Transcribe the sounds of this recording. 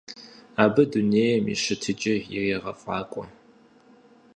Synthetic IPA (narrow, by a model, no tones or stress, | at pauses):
aːbɨduneːjɛmḭʃɨtʰɨd͡ʒʼɪjɪ̰reːʁɐfʼaːkʷʼɔ